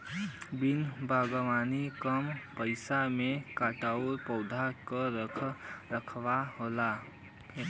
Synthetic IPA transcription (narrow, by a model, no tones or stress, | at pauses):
bɪnbaːɡəmaːnikəmpəɪsamẽkaːʈaːuɾpɔʊd̪ʱakəɾəkʰɾəkʰwaɦoːla